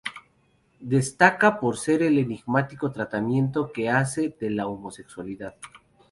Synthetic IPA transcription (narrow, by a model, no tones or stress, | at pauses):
d̪e̞st̪akapo̞ɾse̞ɾe̞le̞niɣmat̪iko̞t̪ɾat̪amjẽ̞nt̪o̞ke̞ase̞ðe̞laomo̞se̞kswaliðað